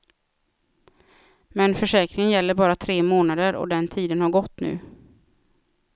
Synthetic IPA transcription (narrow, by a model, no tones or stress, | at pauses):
mɛnfœʂɛːkɾɪŋənjɛlːəɾbɑːɾat̪ʰɾeːmoːnad̪əɾɔ̰d̪ɛnt̪ʰiːd̪ənhaɾɡɔt̪ːnʉ̟̰ː